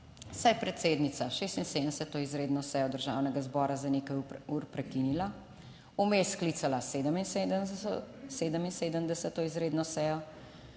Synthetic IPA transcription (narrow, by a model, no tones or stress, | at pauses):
sajpɾɛt̪seːd̪nit̪saʃest̪inseːd̪ɛsət̪ɔizɾeːd̪nɔsɛjɔd̪əɾʒawnɛɡazbɔːɾazanekajuːɾpɾɛkinila | umesklit̪salased̪əminsd̪ | seːd̪əminseːd̪əmd̪ɛsɛt̪ɔizɾeːd̪nɔsɛːjɔ